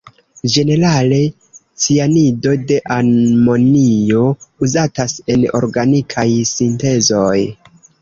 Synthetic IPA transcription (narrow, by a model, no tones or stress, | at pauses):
d͡ʒe̞ne̞ɾale̞ | t͡sianido̞de̞ʔaɾmo̞nio̞uzatase̞no̞̰ɾɡanikʰajsinte̞zo̞j